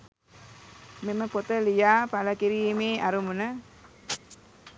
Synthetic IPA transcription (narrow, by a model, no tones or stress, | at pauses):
meməpot̪əlijaːpaləkiɾiːmeːaɾumunə